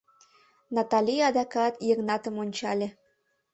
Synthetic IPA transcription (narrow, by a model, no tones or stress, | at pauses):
nɑt̪ɑlʲijɑd̪ɑkɑt̪jeknɑt̪ə̆monʲt͡ɕɑlʲe